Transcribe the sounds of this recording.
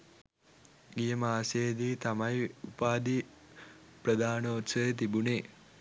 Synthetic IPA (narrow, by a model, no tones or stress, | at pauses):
ɡijəmaːseːd̪iːt̪amajiupaːd̪i | prəd̪aːnəot̪səet̪̬ibuneː